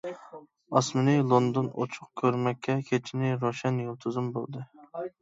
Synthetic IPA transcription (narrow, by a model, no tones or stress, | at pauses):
ɑsmɪnɨlˠond̪ono̰t͡ʃʰʊq̚kʲʰøɾmɛkʲʰːɛkʲʰet͡ʃʰinɪɾoʃɛnjolˠt̪ʰɨzumbo̰lˠd̪ɨ